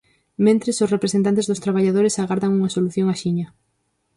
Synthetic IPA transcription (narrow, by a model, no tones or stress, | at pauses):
mẽnt̪ɾesosrepɾesent̪ant̪ezðost̪ɾaβaʎaðoɾɪsaɣaɾðaŋuŋasoluθjoŋaʃiɲɐ